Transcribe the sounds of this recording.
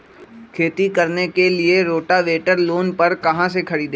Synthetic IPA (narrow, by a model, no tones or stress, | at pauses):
kʰeːt̪ikəɾnekelɪeɾoːʈaʋeːʈəɾloːnpəɾkɐɦãsekʰɐɾiːd̪e